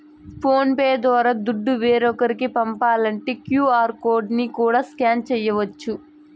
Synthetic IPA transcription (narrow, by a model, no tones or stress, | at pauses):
pʰoːnpeːd̪ʋaːɾad̪uɖːuʋeːɾɔkɐɾikipɐmpaːlɐɳʈeːkjuːaːɾkoːɾɖnikuːɽaːskaːnt͡ʃɛjːɐʋɐt͡ʃːu